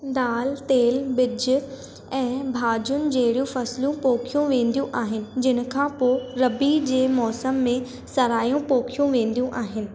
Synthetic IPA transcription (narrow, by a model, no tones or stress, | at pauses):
d̪aːlt̪eːlbɪd͡ʑʊ | ɛ̃ːbʱaːd͡ʑʊnɪ̆d͡ʑeɦɪɽijũfɐsljũpoːkʰijũʋẽːnd̪ijũʔaːɦɪnɪ̆d͡ʑɪn̆kʰãːpoːɾɐbid͡ʑeːmɔːsəmːẽ | sɐɾaːjũpoːkʰijũʋẽːn̆d̪ijũʔaːɦɪnɪ̆